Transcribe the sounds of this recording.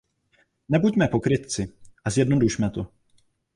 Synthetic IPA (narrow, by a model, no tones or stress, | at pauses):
nɛbuɟmɛpo̞kɾɪt̪̚t͡sɪʔazjɛdno̞duʃmɛt̪o̞